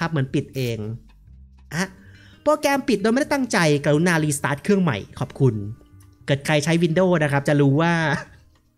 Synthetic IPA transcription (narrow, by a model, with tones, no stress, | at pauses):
a˦˥p̚mɯ˩˦ənpi˨˩t̪̚ʔeː˧ŋ | ʔa˧˩ | poː˧kɛː˧mpi˨˩do˧jm˥˩˥t̪a˥˩ŋt͡ɕa˧jka˧˩u˦˥nːaː˧liː˧st̪aː˦˥t̪̚kʰɯ˥˩əŋma̰˨˩jkʰɔː˨˩p̚kʰu˧n | kɤː˨˩t̪̚kʰɾa˧jt͡ɕʰa˦˥jwi˧ndoː˥˩na˦˥kʰɾa˦˥p̚t͡ɕa˨˩ɾuː˦˥waː˥˩